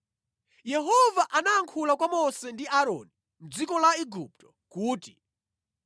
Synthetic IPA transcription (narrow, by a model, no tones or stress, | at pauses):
jɛɦɔvaʔanaːŋkʰulakwamɔsɛndiaɾɔ̰ni | m̩d͡zikɔlaiɡup̚tɔ̥ | kuːti